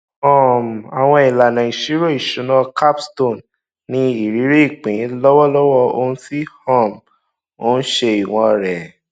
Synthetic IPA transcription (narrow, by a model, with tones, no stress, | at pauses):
ɔ̃˦˨m˨a˨w̃ɔ̃˧i˨la˨nã˨i˨ʃi˨˦ɾo˦˨i˨ʃu˨˦nɔ̃˦ka˦psto˦˨nː | ĩ˧˦i˨ɾi˨˦ɾe˦i˦˨k͡pĩ˨˦lɔ˦wɔ˦lɔ˦wɔ˦˧o˧ñ̩˦si˦hɔ̃˦˨m | o˦ñ̩˦ʃe˧i˨w̃ɔ̃˧ɾɛ˨